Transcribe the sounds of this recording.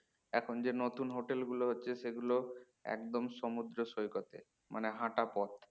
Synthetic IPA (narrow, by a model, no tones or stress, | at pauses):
ɛkʰond͡ʑenot̪unɦoʈelɡuloɦotːɕʰeʃeɡulo | ɛ̰kd̪omʃomud̪ɾoʃojkot̪e | mʔa̰neɦãʈapɔt̪